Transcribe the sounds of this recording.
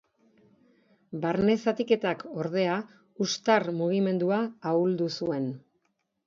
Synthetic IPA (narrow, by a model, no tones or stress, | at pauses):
baɾne̞sat̪ike̞t̪ako̞ɾð̞e̞a | ust̪armuɣ̞ime̞nd̪uaːuld̪usue̞n